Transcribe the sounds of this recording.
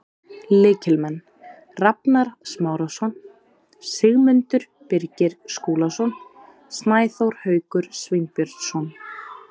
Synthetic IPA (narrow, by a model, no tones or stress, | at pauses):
lɪːcʰɪlmɛnː | rapnaɾsmaːwɾasɔn | sɪɣmʏnt̪ʏɾ̥ | pɪɾcɪɾskoːlasɔn | snaːjθowɾ̥hœːɥkʏɾ̥svɪjnpjœɾt̪sɔn